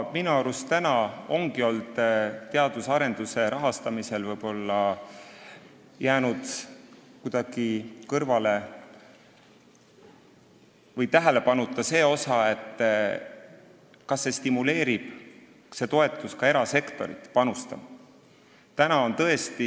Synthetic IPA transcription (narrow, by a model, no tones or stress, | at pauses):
minuɑɾust̪ænɑo̞ŋɡ̥io̞ld̪̥eɑd̪̥usɑɾe̞nd̪̥use̞ɾɑɦɑst̪ɑmise̞lvɤjb̥o̞lːɑ | jæːnud̪̥kud̪̥ɑɡ̥ikɤrvɑle̞ | vɤjt̪æɦele̞pɑnut̪ːˑɑse̞ːo̞sɑe̞t̪ːˑ | kɑsːe̞st̪imule̞ːɾib̥ | se̞t̪o̞e̞t̪ːˑuskɑe̞ɾɑse̞kt̪o̞ɾḭt̪pɑnust̪ɑm | t̪ænɑo̞nt̪ɤ̞e̞st̪i